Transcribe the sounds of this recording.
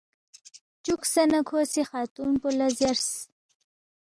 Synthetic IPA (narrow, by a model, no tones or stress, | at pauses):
t͡ʃuksanakʰosixɑːt̪unpulazjaɾs